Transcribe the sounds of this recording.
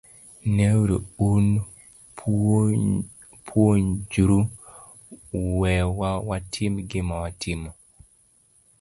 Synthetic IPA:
newɾiun | pʰwoɲd͡ʒuɾu | wɛwawatʰimɡɪmawatʰɪmɔ

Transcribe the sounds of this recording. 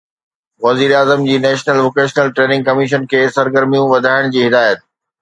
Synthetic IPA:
ʋɐziːɾaːzəmd͡ʑiːnɛːʃnəlʋoːkeːʃnəlʈɾeːnɪ̃ŋɡ̚kɐmɪʃ̬ənkʰeːsɐɾɡəɾmijũʋɐd̪ʱaːɪɽ̃d͡ʑiːɦɪd̪aːjət̪̚

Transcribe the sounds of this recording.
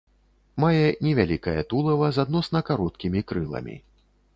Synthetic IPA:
majɛnʲɛvʲalʲikɐjɐ̰t̪ulˠɐvɐzad̪nɔsnɐkaɾɔt̪̚kʲimʲikɾɨlˠɐ̰mʲḭ

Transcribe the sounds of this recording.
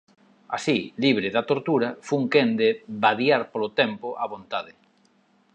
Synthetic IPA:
a̰siliβ̞ɾɪðat̪oɾt̪uɾɐfuŋkend̪ɪbaðjaɾpolot̪ɛmpoʔaβont̪aðɪ

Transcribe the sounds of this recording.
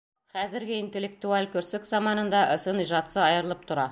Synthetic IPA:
χæðɘ̆ɾɡɘint̪elʲːek̚t̪ualʲkɵ̆ɾsɵkzɑmɑnɤ̆nd̪ɑʔɤ̆sɤniʒɑt̪sɤɑjɤ̆ɾɤ̆lˠɤp̚t̪ʰŏɾɑ

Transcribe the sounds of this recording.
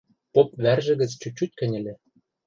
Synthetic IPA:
pop̚βærʒɘ̆ɣɘ̆t͡st͡ɕut͡ɕut̪̚ʲkɘ̆nʲɘ̆lʲĕ

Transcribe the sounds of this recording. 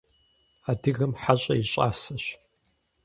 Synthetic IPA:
adɨɣɐmħaɕʼɐjiɕʼa̰ːsɐɕ

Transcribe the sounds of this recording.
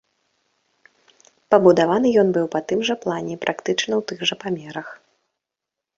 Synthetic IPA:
pɐbud̪avanɨjɔn̪bɨwpɐt̪ɨmʐɐplˠanʲɛpɾʔakt̪ɨt͡ʂnɐwt̪ɨɣʐɐpamʲɛɾɐx

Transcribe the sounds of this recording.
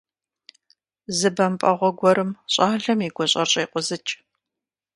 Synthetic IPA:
zɨbɐmpʼɐʁʷɔɡʷɔɾɨmɕʼaːɮɐmiːɡʷɔɕʼɐɕʼeːqʷʊzɨt͡ʃʼ

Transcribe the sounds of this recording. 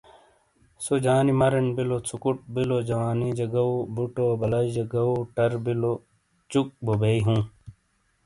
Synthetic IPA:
sod͡ʑaːnimɐɾɐnbilot͡sʰukuʈ̚bilod͡ʑɐwaːnid͡ʑɐɡɐobuʈobɐlɐjd͡ʑɐɡɐoʈɐɾbilo | t͡ʃuk̚bobeiɦũː

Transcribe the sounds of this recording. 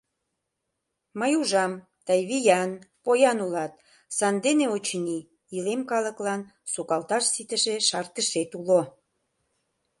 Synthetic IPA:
məjuʒɑm | t̪ɑjβijɑnpojɑnulɑt̪̚ | sɑnd̪eneot͡ɕniː | lemkɑlə̆klɑn | sukɑlt̪ɑʃsit̪əʃeʃɑrt̪əʃet̪ulo

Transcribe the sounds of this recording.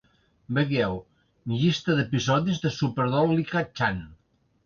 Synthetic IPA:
bəɣɛw | ʎist̪əðəpizɔðizðəsupəɾðɔllikat͡ʃan

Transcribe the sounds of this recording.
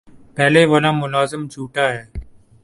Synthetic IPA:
pɛːleːʋəlãːmʊlaːzɪmd͡ʒʰʱuːʈaːɦɛː

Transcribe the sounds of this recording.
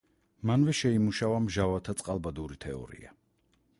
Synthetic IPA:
manvɛʃɛimuʃavamʒavat̪ʰat̪sʼqʼalˠbad̪uɾit̪ʰɛɔ̰ɾḭa

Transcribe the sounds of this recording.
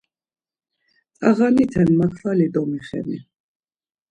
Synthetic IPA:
t̪ʼa̰ʁanit̪ʰɛnmakʰvalid̪ɔmiχɛ̰nḭ

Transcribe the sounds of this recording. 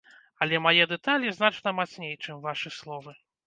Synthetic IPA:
ɐlʲɛmajɛd̪ɛt̪alʲiznat͡ʂnɐmat̪snʲejt͡ʂɨmvaʂɨslˠɔvɨ

